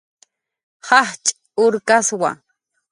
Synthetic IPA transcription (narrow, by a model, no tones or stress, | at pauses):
hɑχt͡ʃʼ | ʊɾkaswa̰